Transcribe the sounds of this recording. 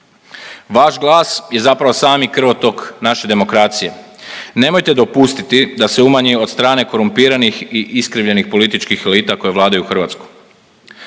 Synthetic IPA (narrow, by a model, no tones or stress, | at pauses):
ʋaʃɡlˠaːsje̞zapɾaʋosaːmikr̩ʋo̞t̪o̞knaʃe̞d̪e̞mo̞kɾaːt̪sije̞ | ne̞mo̞jt̪e̞d̪o̞pust̪it̪id̪aseumaɲio̞d̪st̪ɾaːne̞ko̞ɾumpiːɾanixiʔiskɾiʋʎe̞nixpo̞lit̪it͡ʃkixe̞liːt̪ako̞jeʋlˠaːd̪ajuuxr̩ʋaːt̪sku̥